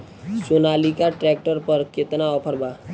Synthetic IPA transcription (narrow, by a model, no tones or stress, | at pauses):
sonalikaʈɾɛk̚ʈəɾpəɾket̪naɔpʰəɾba